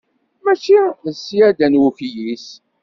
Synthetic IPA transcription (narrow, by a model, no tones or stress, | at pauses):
mæt͡ʃːisːijæd̪ænwuçjis